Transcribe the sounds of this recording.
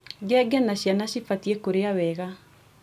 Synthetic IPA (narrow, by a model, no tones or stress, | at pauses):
ɡɛɡɛnaɕjanaɕifatiekoɾeawɛɣa